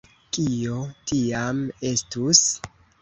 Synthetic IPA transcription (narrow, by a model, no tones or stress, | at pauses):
kio̞tiame̞stus